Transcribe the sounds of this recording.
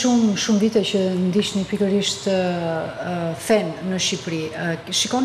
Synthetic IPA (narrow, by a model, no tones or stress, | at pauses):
ʃumʃumvit̪ɛcənd̪iʃnipikəɾiʃt̪ | fɛnːəʃipɾiʃikɔn